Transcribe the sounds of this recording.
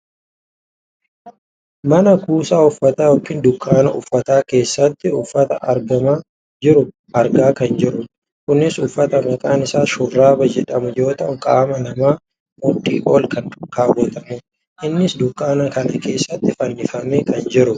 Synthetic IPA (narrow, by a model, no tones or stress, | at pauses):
mɐnɐkuːsaːʊfːɐt̪aːjɔkːɪnd̪ʊkʼːaːnɐ̰ʔʊfːɐt̪aːke̞ːsːɐt̪ːɪʊfːɐt̪ɐʔɐɾɡɐmaː | d͡ʒɪɾʊ | ʔɐɾɡaːkɐnd͡ʒɪɾʊ | kʊnːɪsʊfːɐt̪ɐmɐt̪ʼaːnɪsaːʃʊrːaːbɐd͡ʒɛᶑɐmʊd͡ʒo̞ːt̪ɐʔʊŋkʼaːmɐnɐmaː | mɔᶑʼːḭːʔo̞ːlkɐnʊkːaːbɔːt̪ɐmʊ | ʔɪnːɪsd̪ʊkʼːaːnɐkɐnɐke̞ːsːɐt̪ːɪfɐnːɪfɐmeːkɐnd͡ʒɪɾʊ